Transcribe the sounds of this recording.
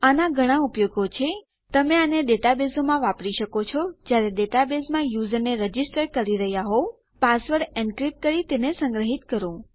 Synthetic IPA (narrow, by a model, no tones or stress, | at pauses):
anaɡʱəɽ̃ãupjoɡot͡ʃʰe | t̪əmeaneɗeʈabesomãʋapɽiʃəkot͡ʃʰɔd͡ʒjaɾeɗeʈabesmãjuzəɾneɾəd͡ʒisʈəɾkəɾiɾəɦjaɦo | pasʋəɾɖɛɳɖkɾip̚kəɾit̪enesə̃ŋɡɾəɦit̪kəɾũ